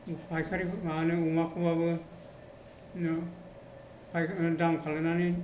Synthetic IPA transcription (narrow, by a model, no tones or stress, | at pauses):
upʰajkʰaɾianɯumakʰɯbabɯ | pʰajdaŋkʰalɯnani